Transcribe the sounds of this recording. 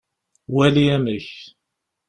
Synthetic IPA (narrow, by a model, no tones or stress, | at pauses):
wæliæməç